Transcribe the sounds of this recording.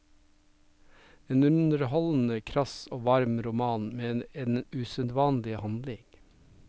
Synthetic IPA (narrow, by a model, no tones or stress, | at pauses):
eːnʉnəɾhɔln̩əkʰɾɑsoːʋɑɾmɾʊmɑːnmeːeːnʉsənd̪ʋɑːnlɪhɑnd̪lɪŋ